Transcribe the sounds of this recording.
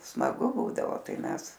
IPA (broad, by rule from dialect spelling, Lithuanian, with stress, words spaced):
smɐˈɡʊ ˈbuːdɐʋoː ˈtɐɪ ˈmʲɛs